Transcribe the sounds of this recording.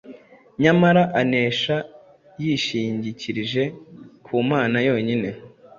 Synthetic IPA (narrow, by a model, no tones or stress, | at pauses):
ɲamaɾaʔane̞ːʃa | jiʃiːɲɟiciɾiʒe̞kʰuːmaːnajo̞ːɲine̞